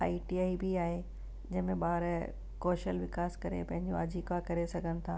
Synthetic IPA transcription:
aːiʈiaːibiaːɦe | d͡ʑɐ̃ɦɪ̃mẽɓaːɾ | kɔːʃəlʋɪkaːskɐɾḛpɐ̃ɦɪ̃ɲd͡ʑoɐd͡ʑikakɐɾesɐɡʱənɪ̆t̪ʰaː

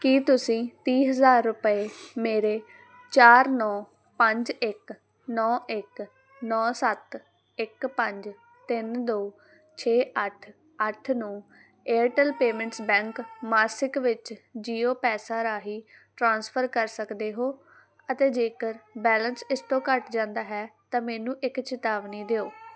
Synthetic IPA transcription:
kiːt̪ʊsĩːt̪iːɦəzaːɾːʊpəeːmeːɾeː | t͡ʃaːɾnɔː | pəɲd͡ʒɪk | nɔːʔɪk | nɔːsət̪ | ɪkpəɲd͡ʒ | t̪ɪnd̪oː | t͡ʃʰeːəʈʰ | əʈʰnũː | eːəʈəlpeːmɛ̃ɳʈsbɛ̃ːŋkmaːsɪkʋɪt͡ʃd͡ʒiːoːpɛːsaːɾaːɦiː | ʈɾãːnspʰəɾkəɾsəkd̪eːɦoː | ət̪eːd͡ʒeːkəɾbɛːlənsɪst̪õːkəʈd͡ʒãːnd̪aːɦɛːt̪ãːmɛːnũːʔɪkt͡ʃɪt̪aːʋniːd̪eːoː

